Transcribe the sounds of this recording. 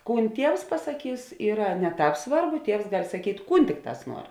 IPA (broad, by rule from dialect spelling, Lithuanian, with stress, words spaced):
ˈkuːn ˈtʲiɛws pɐsɐˈkʲiːs ˈiːrɐ nʲɛ ˈtɑːp ˈsʋɐrˌbʊ ˈtʲiɛws ɡɐlʲ sɐˈkʲiːtʲ ˈkuːn ˈtʲɪkˌtɑːs ˈnuɔr